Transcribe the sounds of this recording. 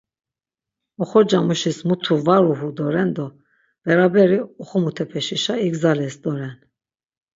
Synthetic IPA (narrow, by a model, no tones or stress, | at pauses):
ɔχɔɾd͡ʒamuʃismut̪ʰuvaɾuɦud̪ɔɾɛnd̪ɔ | v̥ɛɾabɛɾiɔχɔmut̪ʰɛpʰɛʃiʃaiɡzalɛsd̪ɔɾɛn